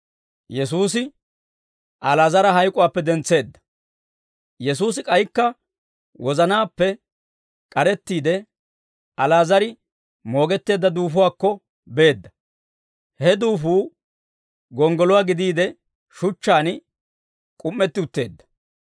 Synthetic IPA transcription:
jɛsuːs̬ɪ | ʔɐlaːzɐɾɐɦɐjkʼʊwaːpːɛd̪ɛnt͡sːe̞ːd̪ːɐ̥ | jɛs̬uːsɪkʼɐjkːɐ | wɔzɐnaːpːɛ | kʼɐɾɛt̪ːiːd̪ɛ | ɐlaːzɐɾɪ | mo̞ːɡɛt̪ːe̞ːd̪ːɐd̪uːfʊwaːkːɔ | be̞ːd̪ːɐ | hɛd̪uːfuː | ɡɔŋɡɔlɔwaːɡɪd̪iːd̪ɛ | ʃʊt͡ʃːaːn | kʼʊmːɛt̪ːɪʊt̪ːe̞ːd̪ːɐ̥

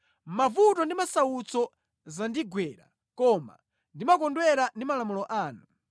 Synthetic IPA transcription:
mavutɔndimasaut͡sɔ | zandiɡwɛːɾa̰ | kɔma̰ | ndimak̬ɔndwɛɾandimalamulɔʔaːnu

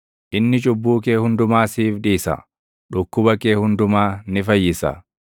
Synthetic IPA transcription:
ʔɪnːɪt͡ʃʼʊbːuːkeːhʊnd̪ʊmaːsiːfᶑiːsɐ̰ | ᶑʊkːʊbɐkeːhʊnd̪ʊmaːnɪfɐjːɪsɐ̰

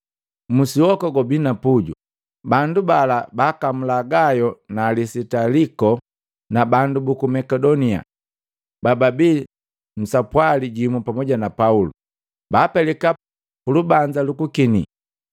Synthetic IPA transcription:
musiwɔkɔɡɔbinapuɟṵ | bandubalabakam̩laɡajɔnaːlisitalikɔ | nabandubukumɛkɛdɔnia̰ | bababi | m̩sapwaliɟimupamɔɟanapaulṵ | baːpɛlɛka | pulubaɲd͡ʒalukukinḭ

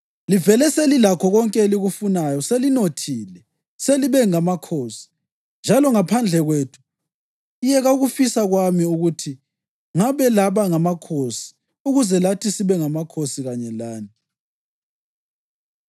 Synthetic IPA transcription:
livɛlɛselilakʰɔɣɔŋkʼɛliɣufunajɔselinotʰilɛ | seliβɛŋamakʰosi̥ | nd͡ʒʱalɔŋapʰand͡ɮʱɛɣweːtʰu̥ | ijɛɣauɣufisaɣwamiuɣutʰi | ŋaβɛlaβaŋamakʰosi̥ | uɣuzɛlatʰisiβɛŋamakʰosiɣaɲɛlaːni

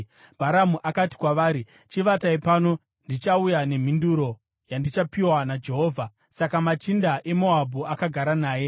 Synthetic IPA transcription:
bʱaɾamuʔakati̥kwaʋaːɾi | t͡ʃiʋataipaːno̞ | ndit͡ʃaujane̞m̤induɾo̞ | jandit͡ʃapiwanad͡ʒe̞ɦo̞ːvʱa | sakamat͡ʃindaʔe̞mo̞abʱuakaɡʱaɾanaːje̞

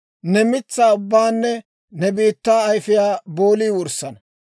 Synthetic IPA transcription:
nɛmɪt͡sːaːʊbːaːnːɛ | nɛbiːt̪ːaːɐjfɪjaːboːliːwʊɾsːɐnɐ

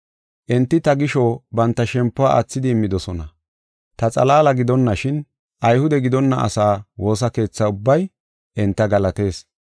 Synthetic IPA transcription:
ʔɛnt̪ːɪt̪ɐɡɪʃɔbɐnt̪ːɐʃɛmpːʊaʔɐ̰t͡sːɪd̪ɪːmːɪd̪ɔsɔnɐ | t̪ɐt͡sʼɐ̰laːlɐɡɪd̪ɔnːɐʃɪn | ʔɐjhʊd̪ɛɡɪd̪ɔnːɐ̰ʔɐ̰saːwo̞ːs̬ɐke̞ːt͡sːɐʊbːɐj | ʔɛnt̪ːɐɡɐlɐt̪e̞ːs

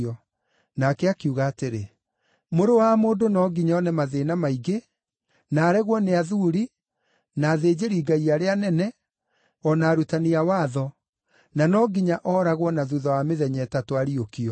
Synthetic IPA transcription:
ɔ | nakɛakiuɣaːteɾe | moɾowamoːdonɔɡiɲɔnɛmaðenamaiɡe | naːɾɛɣwɔneaðuɾi | naːðeːd͡ʑeɾiːɡaiaɾeanɛnɛ | ɔnaːɾutaniawaːðɔ | nanɔɡiɲaʔɔɾaɣwɔnaðuðɔwameðɛɲɛːtatoaɾiokiɔ

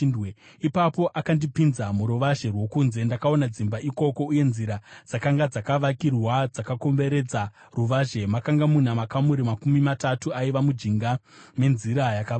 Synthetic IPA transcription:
ipapo̞ʔakandipinzamuɾuʋaʒe̞rwo̞kuːnze̞ndakao̞nad͡zimbaʔiko̞ko̞uje̞nziɾad͡zakaŋɡad͡zakaʋakirwad͡zakako̞mbe̞ɾe̞d͡za | ruʋaʒe̞makaŋɡamun̤amakamuɾimakumimatatuaiʋamud͡ʒiŋɡame̞nziɾajaka

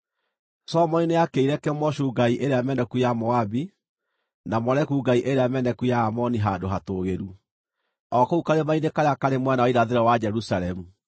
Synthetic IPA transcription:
sɔmɔnineakeiɾɛkɛmɔɕuːɡaiʔeɾeamɛnɛkujamɔabi | namɔɾɛkuːɡaiʔeɾeamɛnɛkujaːmɔniɦadoɦatoːɣeɾu | ɔkoukaɾemainekaɾeakaɾemwɛnaɔiɾaðeɾɔwad͡ʒɛɾusaɾɛmu

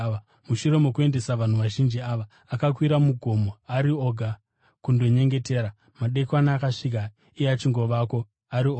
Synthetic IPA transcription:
muʃuɾe̞mo̞kue̞nde̞saʋan̤uʋaʒind͡ʒiaʋa | akakwiɾamuɡʱo̞mo̞aɾio̞ːɡʱa | kundo̞ɲe̞ŋɡe̞te̞ːɾa | maɗe̞kwanaːkaʂik̬a | ieat͡ʃiŋɡo̞ʋako̞ | aɾio

